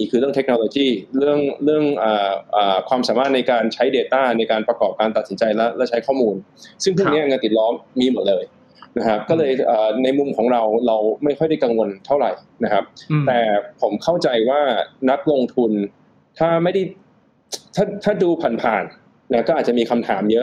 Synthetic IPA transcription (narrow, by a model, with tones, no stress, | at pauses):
i˧˩kʰɯ˧ɾɯ˥˩əŋt̪e˦˥k̚noː˧loː˧t͡ɕiː˥˩ɾɯ˥˩əŋɾɯ˥˩əŋʔaː˨˩ʔaː˨˩kʰwaː˧msaː˩˦maː˥˩t̪̚na˧jkaː˧nt͡ɕʰa˦˥jdeː˧t̪aː˥˩na˧jkaː˧npɾa˧kɔː˨˩p̚kaː˧nt̪a˨˩si˩˦nt͡ɕa˧jlɛ˦˥lɛ˦˥t͡ɕʰa˦˥jkʰɔː˥˩muː˧n | sɯ˥˩ŋpʰu˥˩ni˦˥ɐŋaː˧nki˨˩t̪̚lɔː˦˥mːiː˧mo˨˩t̪̚lɤː˧j | na˦˥kʰa˦˥p̚kɔː˥˩lɤː˧jʔəː˨˩na˧jmu˧mkʰɔː˩˦ŋɾa˧wɾa˧wma˥˩jkʰxɔ˥˩jda˥˩jka˧ŋwo˧nt̪ʰa˥˩wɾa˨˩jna˦˥kʰa˦˥p̚t̪ɛː˨˩pʰo˩˦mkʰa˥˩wt͡ɕa˧jwaː˥˩na˦˥k̚lo˧ŋt̪ʰu˧n | t̪ʰaː˥˩ma˥˩jda˥˩j | t̪ʰaː˥˩t̪ʰaː˥˩duː˧pʰa˨˩npʰaː˨˩n | na˦˥kɔː˥˩ʔ̪̚ːt͡ɕa˨˩miː˧kʰa˧mt̪ʰaː˩˦mjɤ˦˥ʔ